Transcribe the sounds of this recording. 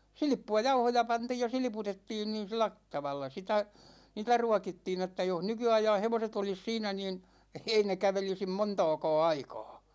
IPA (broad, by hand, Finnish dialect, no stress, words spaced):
silĭpːuɑ jɑuhojɑ pɑntiːj jɑ silĭputetːiːn niːn̞ silæ t tɑʋɑlːɑ sitæ niːtæ ruɑkitːiːn etːæ joh nykyɑijɑ̃ː heʋoset olis siːnæ niːn ei ne kæʋelisim montɒːkɒː ɑikɒː